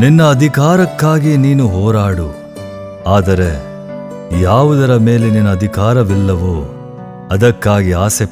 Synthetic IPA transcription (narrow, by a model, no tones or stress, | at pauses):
ninːɐːd̪ʱikaːɾɐkːaːɡiniːnuɦɔːɾaːɽu | aːd̪ɐɾe̞ | jaːʋud̪ɐɾɐme̞ːleninːɐːd̪ʱikaːɾɐʋilːɐʋoː | ɐd̪ɐkːaːɡiaːse